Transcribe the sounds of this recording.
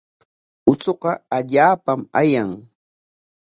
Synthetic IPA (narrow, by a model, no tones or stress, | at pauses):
ʊt͡soqɑaʎaːpamajaŋ